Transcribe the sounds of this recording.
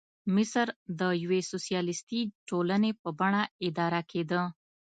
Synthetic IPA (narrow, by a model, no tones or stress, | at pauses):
mɪsəɾd̪əjawesosijɑlɪst̪iʈolənepəbaɳaɪd̪ɑɾakʰed̪ə